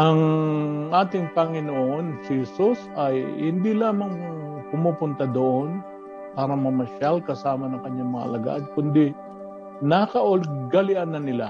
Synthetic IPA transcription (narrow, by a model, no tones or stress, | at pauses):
ʔɐŋʔaːt̪ɪŋpɐŋɪnoʔo̞nsɪhɛsusɐjhɪ̰nd̪ilaːmɐŋpʊmupʊnt̪ad̪oʔon | paːɾɐmɐmɐʃalkɐsaːmɐnɐŋkɐɲːaŋmɐŋɐɐ̰lɐɡa̰ʔd̪̚kʊnd̪i | nakɐʔolɡɐlɪʔanːɐnɪla̰